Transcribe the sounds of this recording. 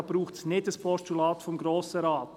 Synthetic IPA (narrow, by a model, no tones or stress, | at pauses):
b̥ɾuːχtsnɪdəspʰɔstulɑːt̪fɔmɡɾoːsəɾɑːt